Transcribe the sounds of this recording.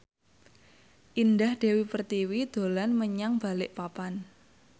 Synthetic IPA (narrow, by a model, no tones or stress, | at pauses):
ʔindahd̥e̤wipərt̪iwid̪̥o̤lanməɲaŋb̥a̤lɪʔpapan